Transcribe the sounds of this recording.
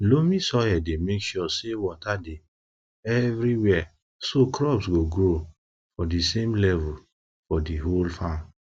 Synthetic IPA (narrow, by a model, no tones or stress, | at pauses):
lomĩsɔjɛdemekʃɔsewɔtade | ɛvɾiwɛ | sokɹɔbsɡoɡɾo | fɔdisemlɛvu | fɔdiɦolfãn